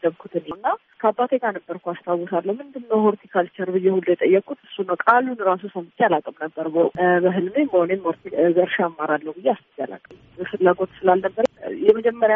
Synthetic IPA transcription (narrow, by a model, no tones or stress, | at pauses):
d̪əβkʰut̪ʰɨnnːa | kʰəabːat̪ʰeɡanəbːəɾkʰʷuast̪ʰawusalːəhumɨnd̪ɨmnəwhoɾt̪ʰikʰalt͡ʃʰɛɾbɨjːɛhuld̪jɛt̪ʼəjːɛkʼːut̪ɨsunːəwkʼalːunɨɾas̬usəmɨt͡ʃːealakʼəmnəbːəɾbəbəɦɨlmemːəhonemːoɾt̪ʰizəɾʃaamːaɾalːəhwɡɨzeast̪ɨt͡ʃːa̰la̰kʼəm | əfɨlːaɡo̞t̪sɨlalnəbːəɾjɛməd͡ʒɛmːəɾja